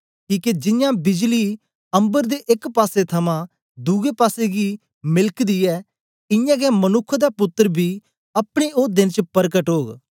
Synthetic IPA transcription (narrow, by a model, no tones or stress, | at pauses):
kiːked͡ʒɪjãːbɪd͡ʒliː | ə̃mbəɾd̪eːʔɪkpaːset̪ʰəmãː | d̪ʊɡeːpaːseːɡiː | mɪlkd̪iːɛː | ɪjãːɡɛːmənʊkʰːd̪aːpʊt̪ːəɾbʱiː | əpɽ̃eːʔod̪ɪnt͡ʃpəɾkəʈɦoːɡ